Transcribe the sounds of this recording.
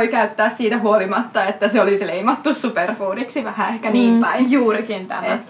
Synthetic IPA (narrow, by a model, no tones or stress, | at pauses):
ikæyt̪ːæːssiːt̪æhuolimɑt̪ːɑet̪ːæseolisleimɑt̪ːussuperfuːniksiʋæhæehkæniːmpæijuːrikint̪æ̰met̪